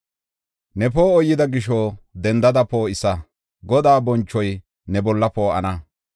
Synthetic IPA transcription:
nɛpoːɔjːɪd̪ɐɡɪʃod̪ɛnd̪ɐd̪ɐpoːɪsɐ | ɡɔd̪aːbɔnt͡ʃːɔj | nɛbɔlːɐpoːɐ̰nɐ

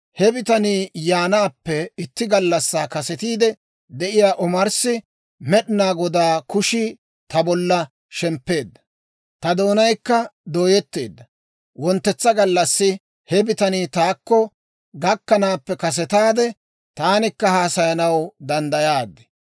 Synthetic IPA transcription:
hɛbɪt̪ɐniːjaːnaːpːɛɪt̪ːɪɡɐlːɐsːaːkɐsɛt̪iːd̪ɛ | d̪ɛʔɪjaːʔʊmɐɾsɪ | mɛɗɪnaːɡɔd̪aːkʊʃɪ | t̪ɐbɔlːɐ | ʃɛmpːe̞ːd̪ːɐ̥ | t̪ɐd̪oːnɐjkːɐd̪oːjɛt̪ːe̞ːd̪ːɐ | wɔnt̪ːɛt͡sːɐɡɐlːɐsːɪ | hɛbɪt̪ɐniːt̪aːkːɔ | ɡɐkːɐnaːpːɛkɐs̬ɛt̪aːd̪ɛ | t̪aːnɪkːɐhaːsɐjɐnɐwd̪ɐnd̪ɐjaːd̪ːɛ̥

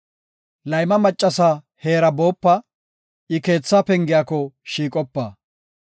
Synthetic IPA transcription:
lɐjmɐmɐt͡ʃʼːɐsaː | he̞ːɾɐbo̞ːpːɐ | ʔɪke̞ːt͡sːaːpɛŋɡɪjaːkɔʃiːkʼɔpːaː

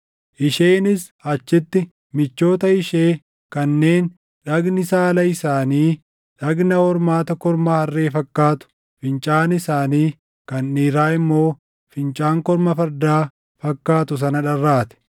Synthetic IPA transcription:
ʔɪʃeːnɪs | ɐt͡ʃːɪt̪ːɪ | mɪt͡ʃːo̞ːt̪ɐɪʃeː | kɐnːe̞ːn | ᶑɐɡnɪsaːlɐɪsaːniː | ᶑɐɡnɐhɔɾmaːt̪ɐkɔɾmɐhɐrːe̞ːfɐkːaːt̪ʊ̥ | fɪnt͡ʃʼaːnɪsaːniː | kɐnːiːɾaːɪmːo̞ː | fɪnt͡ʃʼaːŋkɔɾmɐfɐɾd̪aː | fɐkːaːt̪ʊs̬ɐnɐᶑɐrːaːt̪ɛ̥

